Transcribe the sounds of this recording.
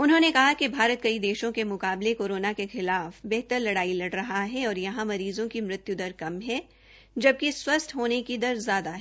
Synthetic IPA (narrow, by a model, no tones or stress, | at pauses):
ʊnɦõːnekɐɦakebʱaːɾət̪̚kɐid̪eːʃõkemʊkaːblekoːɾoːnakexɪlaːfbɛɦt̪əɾlɐɽaːilɐɽɾɐɦaɦɛɔːɾjɐɦãmɐɾiːzõkimɾɪt̪jʊd̪əɾkɐmɦɛ | d͡ʒɐb̚keswɐst̪ɦoːnekid̪ɐɾzjaːd̪aɦɛ